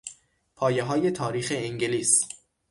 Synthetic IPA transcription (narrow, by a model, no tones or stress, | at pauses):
pʰɒːjeɦɒːje̞t̪ʰɒːɾiːxeeŋɟeliːs